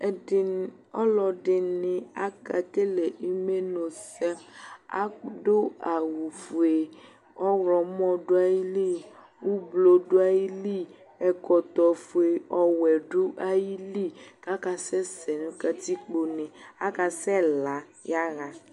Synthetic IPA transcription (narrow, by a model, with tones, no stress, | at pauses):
ɔ˦lɔ˨ɖɪ˨nɪ̃˨a˦ka˨ke˦le˨ʔi˦me˦no˨sɛ˦a̰˦ɖo˦a˨wu˨fo˨e˨ | ɔ˦wɾɔ˨mɔ̃˦ɖo˦a˦ji˦li˦˨ | wu˦blo˨ɖo˦a˦ji˦li˦ | ɛ˨kɔ˨t̪ɔ˨fo˨e˨ɔ˨wɛ˨ɖu˦ʔa˦ji˦li˦ka˦ka˨sɛ˦sɛ˨nũ˦ka˦t̪i˦k͡po˨nẽ˨a˦ka˨sɛ˦la˨˦ | ja˦ɣa˨